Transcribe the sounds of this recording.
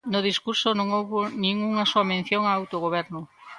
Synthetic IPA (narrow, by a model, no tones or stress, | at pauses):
nʊðiskuɾsonõŋowβonĩŋuŋɐsoɐmẽn̟θjoŋaːwt̪oɣoβ̞ɛɾnʊ